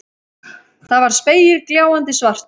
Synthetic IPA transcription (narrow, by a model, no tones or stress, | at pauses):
θaðvaɾ̥speːjɪɾkljaːwant̪ɪsvar̥t̪